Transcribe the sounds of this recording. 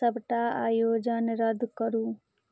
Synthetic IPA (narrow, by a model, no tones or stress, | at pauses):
əbʈaaːjoːd͡ʒənɾəd̪ʱkəɾuː